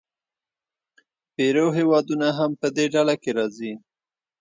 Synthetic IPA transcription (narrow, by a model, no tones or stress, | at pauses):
peɾoɦewɑd̪unaɦampəd̪eɖalakeɾɑzi